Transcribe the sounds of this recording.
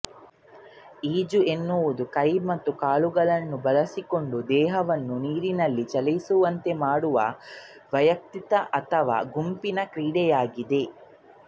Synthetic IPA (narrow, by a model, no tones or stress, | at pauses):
iːd͡ʒue̞nːuʋud̪ukɐjmɐt̪ːukaːluɡɐɭɐnːubɐlɐsiko̞ɳɖud̪ɛːɦɐʋɐnːuniːɾinɐlːit͡ʃɐlɐjsuʋɐnt̪e̞maːɽuʋɐ̰ | ʋɐjɐk̚t̪it̪ɐʔɐt̪ʰɐʋa̰ːɡumpinɐkɾiːɽɛjaːɡid̪e̞